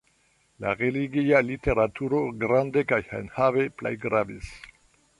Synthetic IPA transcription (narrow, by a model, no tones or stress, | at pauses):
la̰ʁeliɡialite̞ɾatʰuɾoɡɾande̞kajha̰nhave̞plḛjɡɾavis